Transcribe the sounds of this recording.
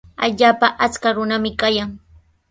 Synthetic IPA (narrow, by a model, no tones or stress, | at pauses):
a̰ʎaːpaʔat͡skaɾʊnamɪkajaŋ